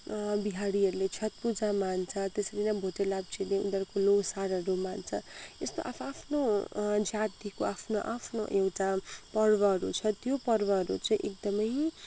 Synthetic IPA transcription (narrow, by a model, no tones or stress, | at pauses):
biɦaɽiɦʌɾulet͡sʰjʌt̪̚pud͡zamant͡sʰʌt̪esʌɾinãbʱotelab̚t͡sʰileṵd̪ʌrkolowsaɾʌɾumant͡sʰʌest̪o̰ʔapʰapʰnod͡zat̪ikoapʰnoʔapʰnoʔewʈapʌrbʌɦʌɾṵt͡sʰʌt̪jopʌrbʌɦʌɾut͡saĩʔek̚d̪ʌmʌj